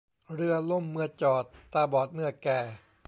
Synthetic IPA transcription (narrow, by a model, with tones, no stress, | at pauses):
ɾɯ˧ɐlo˥˩˨mːɯ˧ɐt͡ɕɔː˨˩t̪ːaː˧˩bɔː˨˩t̪̚mɯ˥˩ɐkɛː˨˩